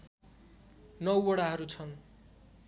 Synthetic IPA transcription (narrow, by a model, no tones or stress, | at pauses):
nʌwʌɽaɦʌɾut͡sʰʌn